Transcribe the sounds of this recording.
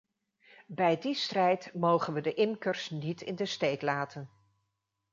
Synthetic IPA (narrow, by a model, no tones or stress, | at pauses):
bɛjdistrɛjtmowχənʋədəʔɪmkəɹsnitɪ̰ndəstejtlaːtʰən